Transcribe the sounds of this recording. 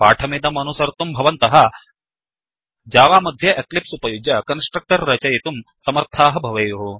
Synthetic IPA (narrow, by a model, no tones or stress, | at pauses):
paːʈʰɐmid̪ɐmɐnusɐɾt̪umbʱɐʋɐnt̪ɐɦɐ | d͡ʒaːʋaːmɐd̪ʱjɐʔeklipsupɐjud͡ʒɐkɐnsʈɾɐk̚ʈɐɾːɐt͡ʃɐjit̪umsɐmɐɾt̪ʰaːɦɐbʱɐʋɐːjuɦu